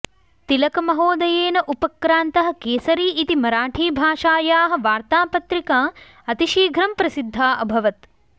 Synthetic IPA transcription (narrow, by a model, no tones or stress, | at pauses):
t̪ilɐkɐmɐɦoːd̪ɐjeːnɐʔupɐkɾaːnt̪ɐɦɐ̆keːsɐɾiːʔit̪imɐɾaːʈʰiːbʱaːʃaːjaːɦɐ̆ʋaːɾt̪aːpɐt̪ɾikaː | ɐt̪iʃiːɡʱɾɐmpɾɐsid̪ʱːaːʔɐbʱɐʋɐt̪